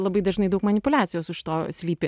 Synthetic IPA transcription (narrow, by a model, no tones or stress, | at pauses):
lˠɐbɐɪd̪ɐʒnɐɪd̪ɐʊkmɐnʲɪpʊlʲæːt̪sʲɪjoːsʊʃʲɪ̥t̪oːsʲlʲiːpʲɪ